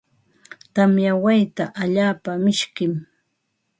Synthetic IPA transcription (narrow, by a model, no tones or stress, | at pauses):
t̪amjawajt̪aʔaʎaːpamɪʃkɪm